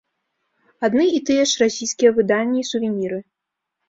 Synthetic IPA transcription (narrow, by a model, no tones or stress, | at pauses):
ad̪nɨit̪ɨjɛʂrasʲijskʲijɛvɨd̪anʲːɛisuvʲenʲiɾɨ